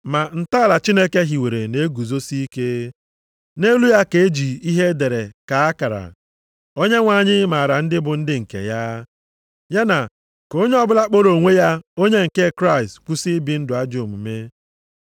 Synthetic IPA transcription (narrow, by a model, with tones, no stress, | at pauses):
ma˨n̩˨ta˦˨la˨t͡ʃi˦ne˦ke˦ɦi˨we˨ɾe˨ne˦ɡu˨zo˦si˦ke˦ | ne˦lu˦ja˦ke˨e˦d͡ʒi˨i˦ɦe˦de˨ɾe˨ka˨a˦ka˨ɾa̰˨ | o˦ɲe˦ŋʷa˨ɲɪ˦ma˨a˨ɾa˨n̩˦dɪ˦bʊ˨n̩˦dɪ˦ŋ̩˨kḛ˨ja˦ | ja˦na˨ | ko˦ɲe˦ɔ˦bʊ˦la˦k͡po˦ɾo˨ŋʷe˦ja˦o˦ɲe˦ŋ̩˨ke˦kɾa˦ɪ˨stku˦sɪ˦bi˦n̩˦dʊ˨a˦d͡ʒo˨mu˨me˦